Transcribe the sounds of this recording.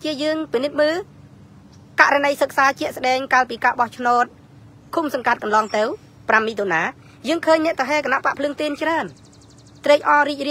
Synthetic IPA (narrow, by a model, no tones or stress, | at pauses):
t͡ɕiəjəːŋpinɨt̪̚məː | ka̰ʔranəjsək̚saːt͡ɕɛ̆əʔsəɗɛːŋkaːlpiːkaːɓɑht͡ɕʰnoːt̪̚ | kʰumsɑŋkat̪̚kɑnlɑːŋt̪ɨw | pramːiːt̪ʰonaː | jəːŋkʰəːɲnɛ̆əʔt̪ʰɑɦeːkanaʔpaʔpʰlɨəŋt̪iːnt͡ɕraən | t̪rɛːc̚ʔɑːɾiːc̚riə